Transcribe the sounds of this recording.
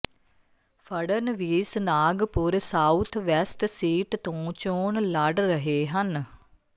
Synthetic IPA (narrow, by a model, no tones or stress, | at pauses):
pʰəɽənʋiːsnaːɡpʊɾsaːut̪ʰʋɛsʈsiːʈt̪õːt͡ʃoːɳləɖɾəɦeːɦən